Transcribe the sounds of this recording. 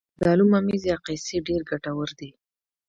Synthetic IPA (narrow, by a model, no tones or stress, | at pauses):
d̪ɑlumamizjɑqajseɖeɾɡaʈawəɾd̪i